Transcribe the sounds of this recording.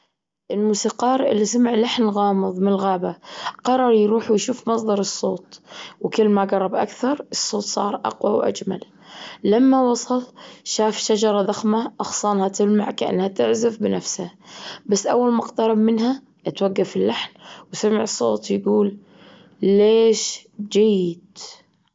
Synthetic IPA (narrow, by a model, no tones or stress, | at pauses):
ʔɪlmuːsiːqɑːɾˤʔɪ̰lːisamaʕlaħnɣɑːmɨðˤmɪnɪlɣaːbaqɑɾˤɑɾˤjɾuːħujʃuːfmɑsˤd̪ˤɑɾˤɨsˤːoːt̪wkɪlːmaɡɑrˤːɑbʔa̰kθɑɾˤɨsˤːoːt̪sˤɑ̰ːɾˤʔɑ̰qwawʔa̰d͡ʒma̰l | lamːawɑsˤɑlʃaːfʃad͡ʒɑɾˤɑðaxmaʔɑxsˤɑːnhat̪ɪlma̰ʕkaʔa̰nːhat̪ɪʕzɪfbɪnafshabasːʔawːalmʊqt̪ɑɾˤɑbmɪnha | ʔat̪waɡːafɪlːaħnwsamɪʕɨsˤːo̰ːt̪jɡuːlː | eːʃd͡ʒajːɪd̪̥